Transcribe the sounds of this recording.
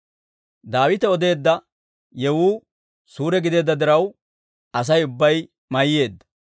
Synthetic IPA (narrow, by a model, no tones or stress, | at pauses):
d̪aːwɪt̪ɛɔd̪e̞ːd̪ːɐ | jɛwuː | suːɾɛɡɪd̪e̞ːd̪ːɐd̪ɪɾɐw | ɐs̬ɐjʊbːɐj | mɐjːe̞ːd̪ːɐ